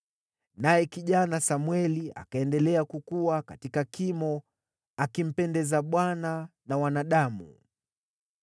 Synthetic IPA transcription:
najɛkiʄanasamwɛlia̰kaɛndɛlɛakukuwakatikakimɔ | akim̩pɛndɛzaɓwananawanaɗamṵ

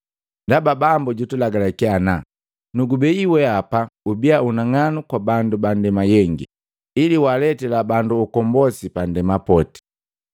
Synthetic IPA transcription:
ndababambuɟutulaɡalakiana | nuɡubɛiwɛapaubiaunaŋanukwabandubandɛmajɛŋɡi | iliwalɛtɛlabanduːkɔmbɔsipandɛmapɔti̥

